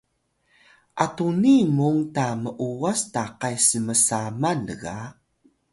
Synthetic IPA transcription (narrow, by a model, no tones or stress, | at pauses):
ʔatunimuŋtaməʔuastaqajsəməsamanəɣa